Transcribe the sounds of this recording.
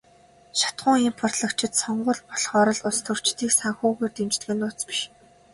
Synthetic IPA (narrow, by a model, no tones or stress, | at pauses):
ʃḁt̪ɢʊ̆ːŋimpʰɔr̥t̪ɮə̆kt͡ɕʰɪ̆t̪sɔɴɢʊ̆ːɮpɔɮχɔːɾɞ̆ɮʊst̪ʰɵ̆r̥t͡ɕt̪iːksaŋxuːɣeːrt̪emt͡ɕt̪ɣĕːnʊːt͡spi̥ʃ